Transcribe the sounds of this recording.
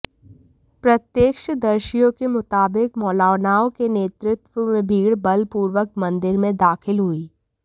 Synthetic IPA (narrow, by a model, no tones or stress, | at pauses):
pɾɐt̪jəkʃd̪ɐɾʃijõkemʊt̪aːbɪkmɔːlaːʋnaːõkeneːt̪ɾɪt̪wəmẽbʱiːɽbɐlpuːɾwək̚mɐ̃nd̪ɪɾmẽd̪aːxʰɪlɦuiː